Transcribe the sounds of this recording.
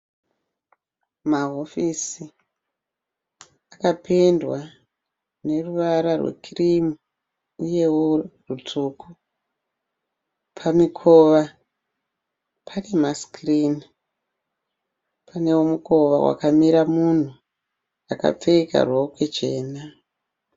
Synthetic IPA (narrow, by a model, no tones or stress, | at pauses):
maɦofisi | akapendwa | ne̞ruʋaɾarwḛkʰirimu | uje̞worutʰuːkʰu | pʰamikʰo̞ʋa | pʰanemaskrini | pʰane̞womuko̞ʋa̰wʔa̰kamiɾamun̤u | aka̰p͡feika̰rwokwe̞t͡ʃe̞ːna